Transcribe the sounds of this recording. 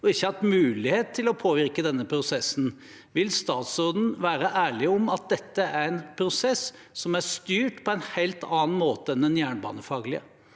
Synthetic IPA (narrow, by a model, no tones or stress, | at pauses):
ɔɪçːəhɑt̪mʉːlɪheːt̪ʰːɪlɔpʰoːʋɪɾkəd̪ɛnːəpʰɾʊsɛsːn̩ | ʋɪlst̪ɑːt̪sɔːd̪n̩ʋæːɾəʔæːɭɪɔmɑt̪̚d̪ɛt̪ːəæɾɛnpʰɾʊsɛs | sɔmæʂt̪yːʈpʰɔɛɪnheɪlt̪ʰɑːn̩moːt̪əɛnd̪ɛnjæːɳbɑ̰ːnəfɑːɡlɪə̰